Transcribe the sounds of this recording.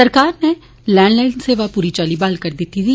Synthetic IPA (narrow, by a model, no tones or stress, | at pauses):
əɾkaːɾne | lɛːɳɖlɛːɪnseːʋaːpuːɾit͡ʃaːlibaːlkəɾd̪ɪt̪ːit̪i